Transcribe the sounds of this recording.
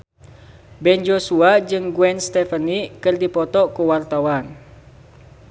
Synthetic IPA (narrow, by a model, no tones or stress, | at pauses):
bɛnd͡ʒosuad͡ʒɨŋɡwɛnst̪ɛfənikɨrdipɔt̪ɔkuwart̪awan